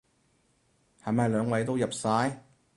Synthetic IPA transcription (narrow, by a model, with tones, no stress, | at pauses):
hɐː˨˩maː˨˧jlœː˨˧ŋwɐ˨˥jt̪o˥wjɐ˨p̚saː˨˥j